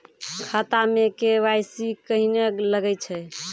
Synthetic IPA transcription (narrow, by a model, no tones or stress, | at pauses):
kʰat̪amekeʋajsikəɦineləɡɛt͡ʃʰɛ